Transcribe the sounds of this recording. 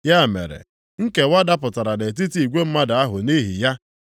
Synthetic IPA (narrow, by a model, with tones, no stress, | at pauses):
ja˦˨mḛ˨ɾḛ˨ | ŋ̩˦ke˨wa˦da˦pʊ˨ta˨ɾa˨de˨t̬i˦ti˨i˨ɡʷe˦m̩˦ma˦da˨a˦ɦʊ̰˨ni˦ɦḭ˨ja˦